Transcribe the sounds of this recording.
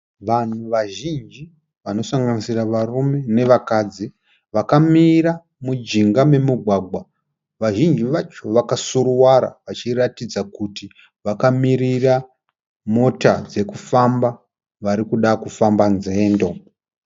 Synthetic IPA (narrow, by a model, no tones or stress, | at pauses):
ʋan̤uʋaʒind͡ʒi | ʋano̞saŋɡanisiraʋarume̞ne̞ʋakad͡zi | ʋakamiɾa | mud͡ʒiŋɡame̞muɡʱwaɡʱwa | ʋaʒind͡ʒiʋat͡ʃo̞ʋakasuɾuwaɾa̰ʋat͡ʃiratid͡zakuti | ʋakamirira | mo̞tad͡ze̞kufamba | ʋaɾikuɗakufambanze̞ːndo̞